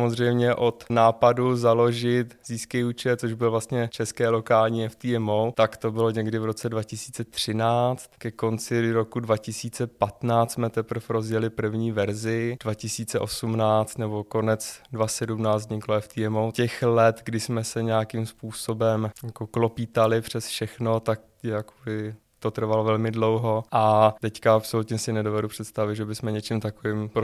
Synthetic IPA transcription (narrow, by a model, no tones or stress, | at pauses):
amozr̝ɛjmɲɛʔot̪naːpaduzalo̞ʒɪt̪ziːskɛjut͡ʃɛt͡soʒbɪlvlast̪ɲɛt͡ʃɛskɛːlo̞kaːlɲiːɛft̪iːɛmowt̪akt̪o̞bɪlo̞ɲɛɡdɪvɾo̞t͡sɛdvacɪsi̥ːt͡sɛt̪r̝̥ɪnaːt͡st̪kɛko̞nt͡sɪɾokudvacɪsiːt͡sɛpat̪naːt͡st̪smɛt̪ɛpr̩fɾo̞zjɛlɪpr̩vɲiːvɛɾzɪdvacɪsiːt͡sɛʔosumnaːt͡st̪nɛbo̞ko̞nɛt͡sdvasɛdumnaːt͡szɲɪkloɛft̪iɛmocɛxlɛt̪ɡdɪsmɛsɛɲɛjakimspuːso̞bɛmjakoklopiːt̪alɪpr̝̥ɛsfʃɛxnot̪ak̚ | jakobɪ | t̪ot̪r̩valovɛlmɪdlo̞wɦo̞ʔat̪ɛckaapso̞lut̪ɲɛsɪnɛdo̞vɛdupr̝̥ɛt̪st̪avɪt̪ʒɛbɪsmɛɲɛt͡ʃimt̪akovɪmpɾo